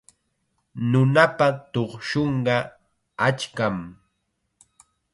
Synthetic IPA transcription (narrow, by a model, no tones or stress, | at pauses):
nʊnapat̪oχʃoɴɢɑ | at͡ʃkam